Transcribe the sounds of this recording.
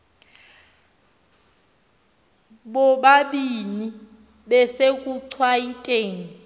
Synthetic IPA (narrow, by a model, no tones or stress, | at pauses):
ɓɔɓaɓini | ɓɛsekʼuǀʰwaitʼeːŋi